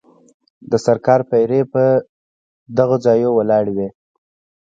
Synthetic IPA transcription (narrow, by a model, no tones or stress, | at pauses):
d̪əsaɾkɑɾpajɾepə | d̪aɣod͡zɑjowalɑɽwe